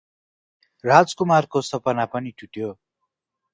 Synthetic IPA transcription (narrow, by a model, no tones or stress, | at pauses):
rad͡zkumarkosʌpʌnapʌniʈʰuʈjo